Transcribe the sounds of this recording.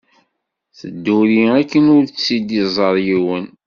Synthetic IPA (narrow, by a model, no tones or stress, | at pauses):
θəd̪ːuɾiækːənʊɾsid̪izˤəɾˤjiwən